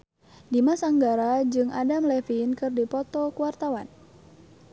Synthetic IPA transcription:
dimasaŋɡaɾad͡ʒɨŋʔadamlɛfinkɨrdipɔt̪ɔkuwart̪awan

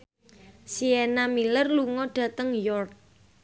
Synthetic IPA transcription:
sienamilərluŋɔɖ̥ä̤t̪əŋjɔrk̚

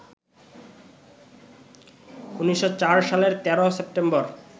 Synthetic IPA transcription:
uniʃːot͡ɕaɾʃaleɾt̪ɛɾosep̚ʈembɔɾ

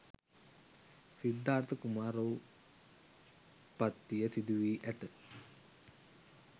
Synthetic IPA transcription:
sid̪ːaːɾt̪ʰəkumaːɾou | pat̪ːijəsid̪uʋiːʔæt̪ə

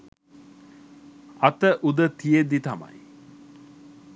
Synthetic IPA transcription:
ɐt̪əʔud̪ət̪ijed̪it̪ɐma̰j

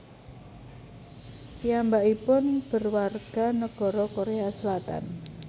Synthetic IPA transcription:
pijambaʔipʊnb̥ə̤rwarɡ̥a̤nəɡ̥ɔ̤ɾɔkoɾeasəlat̪a̰n

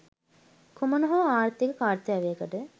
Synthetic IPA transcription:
kumənoɦoaːɾt̪ikəkaːɾt̪jaʋejəkəʈə

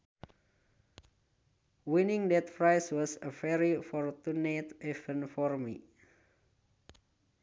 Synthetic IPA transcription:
winiŋdɛt̪fɾajswɔsəfɛɾifɔrt̪unat̪ɛfənfɔrmḭ

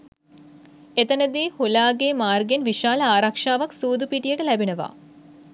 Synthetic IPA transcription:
et̪ɐnɐd̪iːhulaːɡeːmaːrɡjɐnʋiʂaːlɐaːɾakʂaːʋɐksuːd̪upiʈːijeʈɨlɐbʱinɐʋa̰ː

